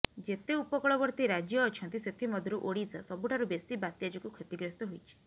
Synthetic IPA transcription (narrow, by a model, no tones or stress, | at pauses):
d͡ʒet̪eupɔkɔɭɔbɔɾt̪iɾad͡ʒjɔːt͡ʃʰɔnt̪iset̪ʰimɔd̪ʱɔɾuʔoɽisa̰sɔbʱuʈʰaɾubesibat̪jad͡ʒɔkukʰet̪iɡɾest̪ɔɦojt͡ʃʰi̥